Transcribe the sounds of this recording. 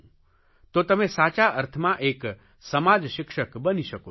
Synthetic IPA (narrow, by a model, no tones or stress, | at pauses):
t̪ot̪əmẽsaːt͡ʃaəɾt̪ʰəmãʔeːk | səmad͡ʒʃɪkʃəkbəniʃəko